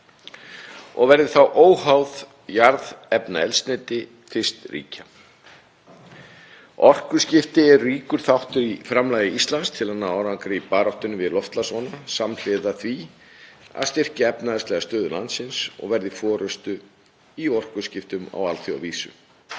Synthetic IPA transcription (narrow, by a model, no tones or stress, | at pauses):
ɔ̰ɣvɛɾðɪθawʔoːwɦawð | jaɾðɛpna̰ɛ̰lst̪nɛt̪ɪ | fɪ̥st̪rḭːcʰa | ɔr̥kʏ̥scɪft̪ɪɛɾːiːkʏɾ̥θawht̪ʏɾifɾamlaːjɪist̪lanst̪ʰɪlhanːaawɾaŋkɾɪipaːɾawht̪ʏnʏvɪðlɔft̪lasvɔnasamlɪðaθvi | a̰ðst̪ɪr̥caɛpnaɛstlɛɣast̪œːðʏla̰nt̪sɪnsɔ̰ɣvɛɾðɪfɔːɾʔʏst̪ʏ | iɔr̥kʏ̥scɪft̪ʏma̰walθʏɔ̰viːsʏ̰